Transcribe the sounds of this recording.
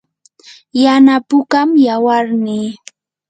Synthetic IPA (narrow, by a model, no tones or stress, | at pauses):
janapʊkamjawaɾnɪ